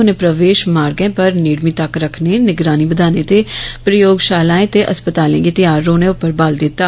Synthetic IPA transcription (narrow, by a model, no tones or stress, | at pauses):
ʊnẽːpɾəʋeːʃmaːɾɡɛ̃ːpəɾniːɽmiːt̪əkɾəkʰnenɪɡɾaːnibəd̪ʱaːnẽt̪eːpɾəjoːɡʃaːlaːẽːt̪eʔəspət̪aːlẽɡeːt̪ɪjaːɾːoːnẽʊpəɾbaːld̪ɪt̪ːaː